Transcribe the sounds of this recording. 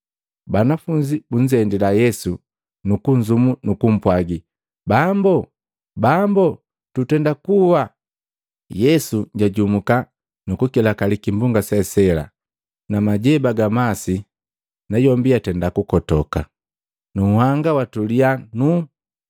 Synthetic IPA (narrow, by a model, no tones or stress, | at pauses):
banafuɲd͡ʒibuɲd͡ʒɛndilajɛsu | nukuɲd͡ʒumunukum̩pwaɡi | bambɔ | bambɔ | tutɛndakuwa | jɛsuɲɟaɟumuka | nukukilakalikimbuŋɡasɛsɛla̰ | namaɟɛbaɡamasi | najɔmbiatɛndakukɔtɔka̰ | nuhaŋɡawatulianu